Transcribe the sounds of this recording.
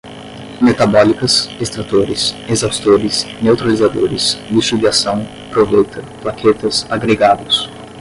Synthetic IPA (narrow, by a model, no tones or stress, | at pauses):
met̪abɔlikɐsest̪ɾat̪oɾɪsezawst̪oɾɪsnewt̪ɾalizad̪oɾɪsmiʃud͡ʒiasɐ̃w̃ | pɾovejt̪ʰɐplakʰet̪ɐsaɡɾeɡad̪ʊs